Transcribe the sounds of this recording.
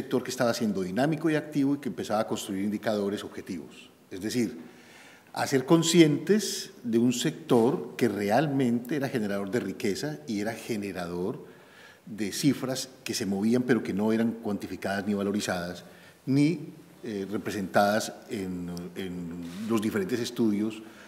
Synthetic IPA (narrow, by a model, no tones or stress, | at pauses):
sek̚t̪o̞ɾkest̪aβasje̞nd̪o̞ðinamiko̞iak̚t̪iβoikeempe̞saβaːko̞nst̪ɾuiɾind̪ikað̞o̞ɾe̞so̞βxe̞t̪iβo̞̰s | e̞zd̪e̞siɾ | a̰se̞ɾko̞nsje̞nt̪e̞sd̪e̞unse̞k̚t̪o̞ɾke̞re̞almẽ̞nt̪eeɾaxe̞ne̞ɾaðo̞ɾd̪e̞rike̞saie̞ɾaxene̞ɾað̞o̞ɾ | d̪e̞sifɾaske̞se̞mo̞βiampe̞ɾo̞ke̞no̞e̞ɾaŋkwant̪ifikaðasniβalo̞ɾisaðas | ni | ere̞pɾe̞se̞nt̪aðasenenlo̞zd̪ifeɾe̞nt̪ese̞st̪uðjo̞s